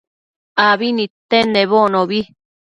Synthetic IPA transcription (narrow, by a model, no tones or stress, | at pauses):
aβinĩt̪enẽβonõβi